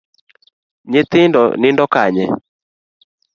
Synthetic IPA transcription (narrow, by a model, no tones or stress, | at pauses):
ɲet̪ɪndɔ̰nɪndɔkaɲɛ